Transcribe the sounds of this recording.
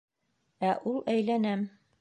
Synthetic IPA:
æʔulˠæjlænæm

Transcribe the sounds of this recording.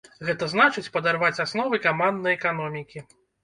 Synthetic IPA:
ɣɛt̪ɐznat͡ʂɨt͡sʲpɐd̪arvat͡sʲasnɔvɨkamand̪nɐjɛkanɔmʲikʲi

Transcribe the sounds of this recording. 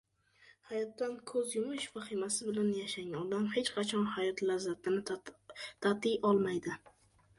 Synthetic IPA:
hajɒt̪ːankʰɵzjʊmɪʃfaχimasɪbɪlanjaʃaŋʲanɒd̪amhe̞t͡ʃqʰɑt͡ʃʰɒnhajɒt̪lazːat̪ʰɪnɪ | t̪ʰat̪ɪjʔɒlˠmajd̪ɪ

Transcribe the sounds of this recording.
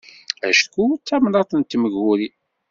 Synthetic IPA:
æ̰ʃkut͡sːæmnɑt̪ˤənt̪ːməʝuɾi

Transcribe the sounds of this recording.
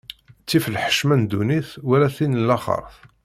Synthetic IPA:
t͡sːifəlħə̥ʃmænd̪uniθwælæθinəlːæχə̰ɾˤθ

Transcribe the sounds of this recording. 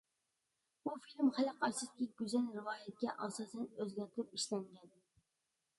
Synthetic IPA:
bufilmχælæqɑɾt̪ɨskʲiɡʲyzɛlɾɨvɑːjɛt̪̚kʲɛʔɑsɑːsɛnøzɡʲɛɾt̪ʰɾɪp̚iʃlɛŋɡʲɛn

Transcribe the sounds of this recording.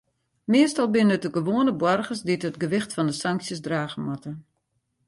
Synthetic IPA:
mɪəstɔlˠbɪnəətəɡəʋoənəbwɔrɣəsditətɡəʋɪxtfɔndəsaŋksjəsdraːɣəmatə

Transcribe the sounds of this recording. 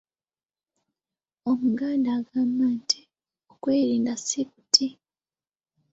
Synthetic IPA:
omuɡaːndaːɡaːmbanti̥ | okwe̞ːɾiːndasikutʰi

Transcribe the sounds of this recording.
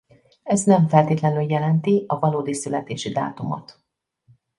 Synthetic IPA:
ɛznɛɱfɛlt̪eːt̪lɛnyljɛlɛnt̪iɒvɒloːd̪isylɛt̪eːʃid̪a̰ːt̪umo̰t̪

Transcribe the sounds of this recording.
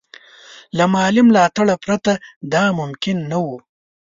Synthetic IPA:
lamɑlɪmlɑt̪aɭapɾat̪ad̪ɑmʊmkɪnːawu

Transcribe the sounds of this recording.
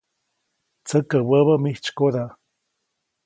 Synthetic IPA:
t͡səkəwəβəmiht͡ʃkoda

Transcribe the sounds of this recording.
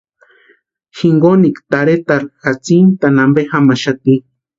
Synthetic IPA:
xiŋɡonikt̪aɾet̪aɾxat͡sint̪anambexamaʃat̪i

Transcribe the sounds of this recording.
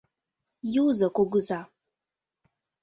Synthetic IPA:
jiwzakʷʼoɡʊza

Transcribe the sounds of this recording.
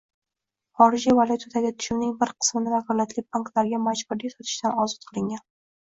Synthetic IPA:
χɒɾɪd͡ʒivalˠʲʊt̪ʰad̪aɡʲɪt̪ʰʊ̥ʃʊmnɪŋbɪɾqʰɨ̥smɪnɪd̪aχɒɾlat̪lɪbaŋkt̪lˠaɾɡʲamad͡ʒbʊɾd̪ʲasɒt̪ʰɪʃt̪ʰanɒzɒt̪̚qʰɨlˠɪŋʲan

